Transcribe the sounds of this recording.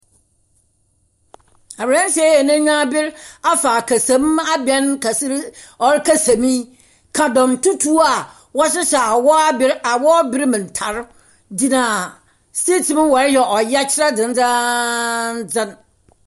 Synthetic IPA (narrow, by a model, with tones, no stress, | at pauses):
a˨bɾɛ̃˦n˦se˦ɛ˨nã˦ɲãː˦bɪ˦ɾa˦faː˨kʰa˨sã˨˦m˦a˦bɛ˨˦nka˨sɾɔ˨ɾɪ˦kʰa˦sã˨mĩ˦ | kʰa˨dɔ̃˨mtu˦tʰu˦a˨ | wɔ˦ɕ̬ɪ˦ɕɛ˨a˨wɔ˦a˦bɪ˦ɾa˨wɔ˦bɪ˦ɾmɪ̃˨n̩˨tʰa˨ɾ | di˨nã˨ | ste˦tʰi˨mɪ̃˦wɔ˨ɾɪ˦jɛ˨ʔɔ˨jɛ˦t͡ɕʰɪ˦ɾa˦d͡zɪ̃˨n̩˦d͡za˦ | n̩˦d͡zɪ̃˦n